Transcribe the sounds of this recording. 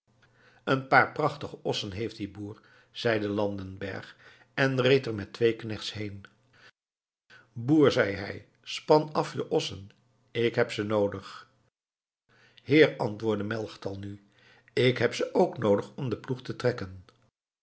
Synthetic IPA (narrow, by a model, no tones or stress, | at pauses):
ənpaːɹprɑχtəχəɔsənɦejft̚dibuːɹ | z̥ɛjdəlɑndənbɛ̰ɹχ | ɛnrejtəɹmɛtʋejknɛχtsɦejn | buːɹzɛjɦɛ̰j | spɑnɑfjəʔɔsən | ɪkɦɛpsənowdəχ | hɪːɹɑntʋʊːɹdəmɛlˠχtɑlˠny | ɪkɦɛpsəʔowknowdəχɔmdəpluχtətrɛkən